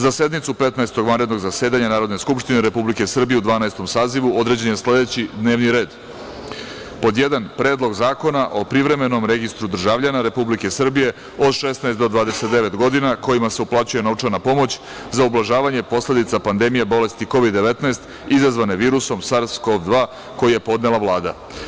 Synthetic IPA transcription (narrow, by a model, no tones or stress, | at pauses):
zase̞d̪nit̪supe̞t̪naest̪o̞ɡʋanɾed̪noɡzaseːd̪aɲanaːɾo̞d̪ne̞skupʃt̪ineɾe̞publike̞sr̩bije̞ud̪ʋaːnaest̪o̞msaːziʋuo̞d̪ɾe̞d͡ʑenjesle̞d̪et͡ɕid̪ne̞ːʋniɾe̞ːd̪ | po̞d̪jed̪anpɾe̞ːd̪lˠo̞ɡzaːko̞naʔo̞pɾiʋɾe̞me̞no̞mɾe̞ɡist̪ɾud̪r̩ʒaʋʎanaɾe̞publike̞sr̩bije̞ | o̞d̪ʃesnaest̪d̪o̞d̪ʋaːd̪e̞se̞t̪̚d̪eʋe̞t̪ɡo̞d̪inako̞jimase̞uplˠat͡ɕuje̞no̞ʋt͡ʂaɾnapo̞mo̞t͡ɕ | zaublˠaʒaːʋaɲe̞po̞sle̞d̪it̪sapand̪e̞mijebo̞le̞st̪iko̞ʋid̪ːe̞ʋe̞t̪naest̪ | izazʋane̞ʋiːɾuso̞msaɾsko̞ʋd̪ʋaː | ko̞jije̞po̞d̪ne̞laʋlˠaːd̪a̰